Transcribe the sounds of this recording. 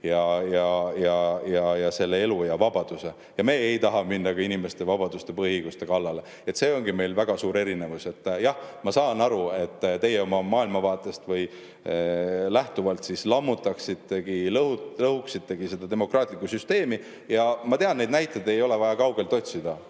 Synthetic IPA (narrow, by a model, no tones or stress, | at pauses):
jɑjɑjɑjɑjɑse̞lːee̞lujɑvɑbɑd̪̥use̞ | jɑme̞ːejt̪ɑɦɑminːɑɡ̥ɑinime̞st̪e̞vɑbɑd̪̥ust̪e̞pɤɦhiɤjɡ̥ust̪e̞kɑlːɑle̞ | e̞t̪se̞ːo̞ŋɡime̞jlvæɡ̥ɑsuːɾe̞ɾine̞vuse̞t̪ˑːjɑhmɑsɑːnɑɾue̞t̪ːt̪e̞jeo̞mɑmɑːilmɑvɑːt̪ːˑe̞st̪vɤj | læht̪uvɑlt̪sislɑmːut̪ːˑɑksit̪ːe̞ɡ̥ilɤulɤhuksit̪ːe̞ɡ̥ise̞d̪̥ɑd̪e̞mo̞krʔɑːt̪ˑlikːusyst̪e̞ːmi | jɑmɑt̪e̞ɑnnːe̞jd̪næjt̪ːˑed̪e̞jo̞le̞vɑjɑkɑwɡ̥e̞lt̪ot̪ʲsid̪̥ɑ